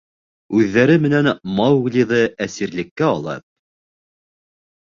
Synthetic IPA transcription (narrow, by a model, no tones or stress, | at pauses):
ʉðːæɾɘmɘ̆nænmɑwɣlʲiðɤæsiɾlɘ̆kːæɒlˠɑ̰t̚